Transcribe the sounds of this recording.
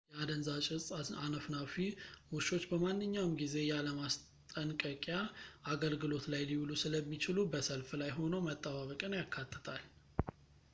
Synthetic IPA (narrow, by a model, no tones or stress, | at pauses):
jɛad̪ənzat͡ʃʼɪaanəfnafiwʊʃo̞t͡ʃːbəmanːɨɲːawmɡize̞jaləmas | t̪ʼənkʼəkʼjaʔaɡəlɡɨlo̞t̪lajliwlusɨləmːit͡ʃɪlubəsəlflajɦo̞nəwmət̪ʼːəβaβəkʼɨnjakʰːat̪ʰːə̥t̪ʰal